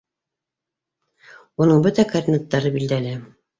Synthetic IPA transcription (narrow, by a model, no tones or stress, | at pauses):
unɤɴbɵt̪ækarʲd̪ʲinat̪ːɑɾɤbild̪ælɘ